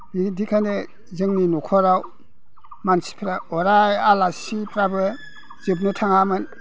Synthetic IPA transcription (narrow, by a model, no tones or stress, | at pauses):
b̥idikʰane | zɯŋninɔkʰɔɾaw | mansi̥pʰɾaɔɾajalasipʰɾabɯ | z̥ɯp̬̚nɯtʰaŋamɯn